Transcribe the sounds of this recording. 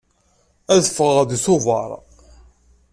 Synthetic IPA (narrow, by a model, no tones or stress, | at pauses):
æðəfəʁəʁðsʊvɑ̰ɾˤ